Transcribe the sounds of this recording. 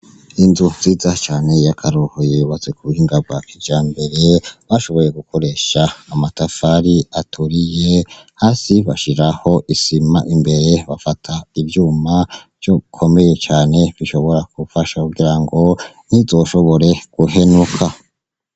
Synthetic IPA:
inzunziːzat͡ʃaːne̞jakʰaɾohojeβazekuβuhiːŋɡabɡwakʰid͡ʒd͡ʒaːmbe̞ɾeβaʃo̞βo̞je̞ɡuko̞ɾe̞ʃaːmatafaɾiatʰuɾije̞haːsiβaʃiɾaho̞ʔisimaʔimbe̞ɾe̞βafatʰaivjuːmav̥jo̞kʰo̞me̞je̞t͡ʃaːne̞βiʃo̞βo̞ɾakufaʃakuɡiɾaŋɡo̞ | nizo̞ʃo̞βo̞ɾe̞ɡ̥uɦe̞nukʰa

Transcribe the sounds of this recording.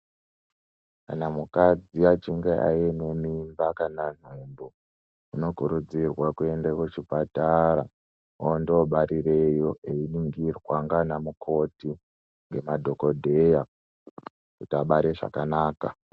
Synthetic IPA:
tkanamukad͡ziat͡ʃiŋɡeʔa̰jene̞mimbakanan̤embo | uno̞kuɾud͡zirwakue̞ndekwot͡ʃipataɾa | ondooɓaɾire̞jo̞ʔeiniŋɡirwaŋɡanamukʰo̞ti | ŋɡe̞madʱo̞ko̞dʱe̞ja | kutiaɓaɾeʐa̰kanaːka

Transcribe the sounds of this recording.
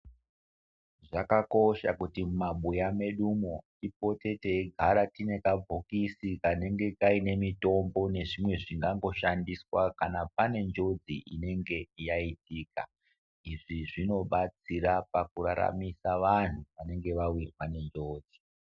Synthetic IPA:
ʐakako̞ʃa̰kutimmaɓujame̞ɗumo̞tipo̞te̞te̞ɡʱaɾatine̞kabʱo̞kisikane̞ŋɡe̞kaine̞mito̞mbo̞ne̞ʐimwe̞ʐiŋɡaŋɡo̞ʃandiswakanap̚ane̞nd͡ʒo̞d͡ziʔḭne̞ŋɡe̞jaitiːka̰ | iʐiʐino̞ɓat͡siɾapakuɾa̰ɾa̰misaʋan̤uʋane̞ŋɡe̞ʋawirwane̞nd͡ʒo̞ːd͡zi

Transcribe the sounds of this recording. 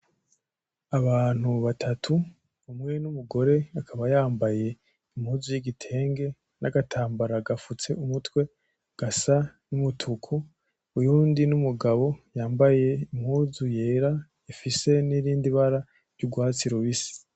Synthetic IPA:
aβaːn̥huβatʰatʰu | βumŋe̞numuɡo̞ɾe̞akʰaβajaːmbaje̞ | im̥huːzujiɡitʰe̞ːŋɡe̞ | naɡatʰaːmbaɾaɡafut͡se̞umutwe̞ | ɡ̥asanumutʰukʰu | ujuːndinumuɡaβo̞jaːmbaje̞imhuːzuje̞ːɾa | ifise̞niɾiːndiβaɾa | ɾɟuɡwaːt͡siɾoβisi̥

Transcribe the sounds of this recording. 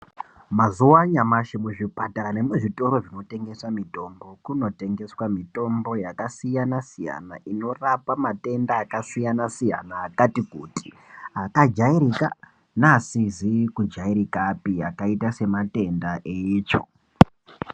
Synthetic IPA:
mazuwaɲamaʃimuʐipataɾane̞muʐito̞ɾo̞ʐino̞te̞ŋɡe̞samito̞mbo̞kuno̞te̞ŋɡe̞swamito̞mbo̞jakasijanasija̰na̰ʔino̞rapamate̞ndaːkasijanasija̰naːkatikuti̥ | akad͡ʒaiɾika | nasizikud͡ʒaiɾikapiakaitase̞mate̞ndaʔeit͡ʃo̰

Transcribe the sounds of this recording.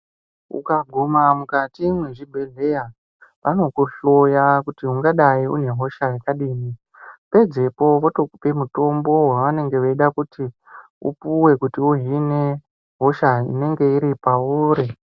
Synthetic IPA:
ṵkaɡʱumamukatimweʐibʱe̞ɮe̞ja | ʋano̞kuɬo̞jakutiuŋɡaɗaiṵne̞ɦo̞ʃajekaɗiːni | pe̞d͡ze̞po̞ʋotope̞muto̞mbo̞ɦwaʋane̞ŋɡe̞ʋeiɗakuti | ṵpuwe̞kutiuɦine̞ | ɦo̞ʃaḭne̞ŋɡe̞iɾipauːɾi

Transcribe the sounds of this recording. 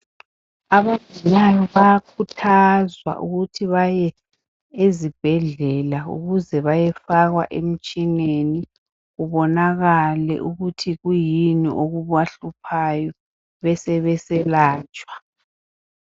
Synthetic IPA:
aβantʼunajɔβakʰutʰazwa̰ʔuɣutʰiβajɛ | ezib̥ʱɛɮɛlaṵɣuzɛβajɛfaɣwaʔem̩t͡ʃʼineni | ɣuβɔnaɣalɛ̰ʔuɣutʰiɣujinḭʔoɣuβwaɬupʰajɔ | βɛsɛβɛsɛlaːt͡ʃʼwḁ

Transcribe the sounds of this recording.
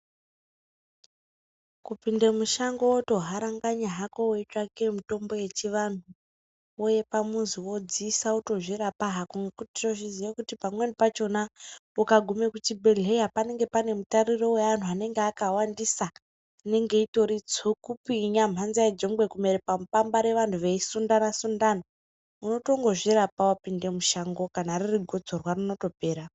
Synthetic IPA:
kupindemuʃaŋɡooto̞ɦaɾaŋɡaɲaɦako̞woit͡ʃakemito̞mbo̞je̞t͡ʃiʋan̤u | oje̞pamunziwo̞d͡zisauto̞ʐiɾapaɦakuŋɡekuti̥to̞ʐiziʋakutipamwenipat͡ʃo̞naukaɡʱume̞kutibʱe̞le̞japane̞ŋɡe̞pane̞mutarirowean̤ʰuane̞ŋɡeakawandisa | ne̞ŋɡe̞ito̞ɾid͡zokupiɲam̤anziaid͡ʒo̞ŋbwe̞kumeɾepamupambaɾe̞ʋantʰuʋeisundanasundana | uno̞to̞ŋɡo̞ʐiɾapawapinde̞muʃaŋɡo̞kanaririɡʱo̞d͡zorwarino̞to̞pe̞ːɾa

